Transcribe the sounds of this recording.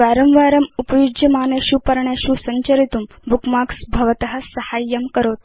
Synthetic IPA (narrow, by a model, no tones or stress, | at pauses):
ʋaːɾɐmʋaːɾɐmupɐjud͡ʒjɐmaːneɕuːpɐɾɳjaɕuːsɐɲt͡ʃɐɾit̪um | bukmaːksbʱɐʋɐt̪ɐɦɐsɐhaːjːɐmkɐɾoːt̪̚